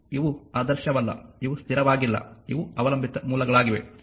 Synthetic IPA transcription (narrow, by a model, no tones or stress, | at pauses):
iʋuaːd̪ɐɾʃjɐʋɐlːɐ̰iʋust̪ʰiɾɐʋaːɡilːɐ̰iʋuɐʋɐlɐmbʱit̪ɐmuːlɐɡɐɭaːɡiʋḛ